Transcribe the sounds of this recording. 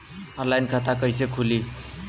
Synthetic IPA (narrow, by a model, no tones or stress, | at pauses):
ʌnlajnkʰat̪ʰakʌjsekʰuli